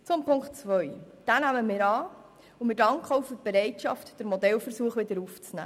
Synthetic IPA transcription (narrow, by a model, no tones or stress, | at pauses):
t͡sʊmpʰʊŋktt͡sʋœʏd̥ænæməmɪːɾɑː | ʊmɪːɾdɑŋkχəɔʊfʏtb̥eɾɛɪtʃɑ̰ftd̥əɾmɔdɛlfəɾsuəχʋɪdəɾuft͡snæ̰ː